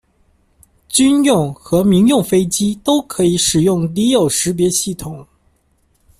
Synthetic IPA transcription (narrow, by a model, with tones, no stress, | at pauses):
t͡ɕy˥njʊ˥˩ŋxɤ˧˥mi˧˥ŋjʊ˥˩ŋfe˥ɪt͡ɕi˥t̪o˥ʊkʰɤ˧˥i˧˥ʂɻ̩˨˩jʊ˥˩ŋli˧˥jo˨˩ʊʂɻ̩˧˥p̬jɛ˧˥ɕi˥˩t̪ʰʊ˨˩˦ŋ